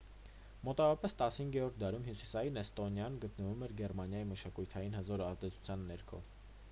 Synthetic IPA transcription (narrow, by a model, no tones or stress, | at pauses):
mɔt̪ɑvɔɾɑpɛst̪ɑshiŋɡɛɾɔɾt̪̚ʰd̪ɑɾumhjusisɑjinɛst̪ɔnjɑnɡət̪nəvumɛɾɡɛrmɑnjɑjiməʃɑkujt̪ʰɑjinhəzɔɾɑzd̪ɛt͡sʰu̥t͡sʰjɑnːɛɾkʰɔ̰